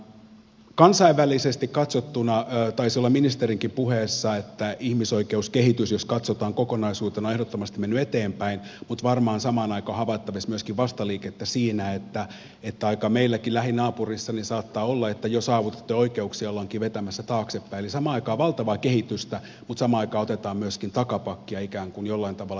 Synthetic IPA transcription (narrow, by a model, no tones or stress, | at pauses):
kɑnsɑiʋːælisest̪ikkɑt̪sot̪ːunɑt̪ɑisiolːɑminist̪eriŋkimpuheːsːɑet̪ːæihmiso̞ikeuskeɦit̪ysjoskɑt̪sot̪ɑːŋkokonɑisuːt̪enone̞hdot̪ːomɑst̪imenːyet̪eːmpæinmut̪ʋɑrmɑːnsɑmɑːnɑikɑːhɑʋɑit̪ːɑʋismyøskiʋʋɑst̪ɑliːket̪ːæsiːnæet̪ːæ | et̪ːæɑikɑmeilːækilæhinɑːpurisːɑnisɑːt̪ːɑːolːɑet̪ːæjosɑːʋut̪e̥t̪ːeoikeuksiɑlːɑŋkiʋet̪æmæsːæt̪ɑːksepːæielisɑmɑːɑikɑːʋɑlt̪ɑʋɑːkehit̪yst̪æ | mut̪sɑmɑːɑikɑːot̪et̪ɑːmmyøskint̪ɑkɑpɑkːiɑikæːŋkunjolːɑint̪ɑʋɑlːɑ